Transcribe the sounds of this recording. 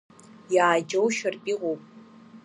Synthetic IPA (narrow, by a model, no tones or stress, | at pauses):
jaːd͡ʒowʃɐrpʼiʁʷowpʼ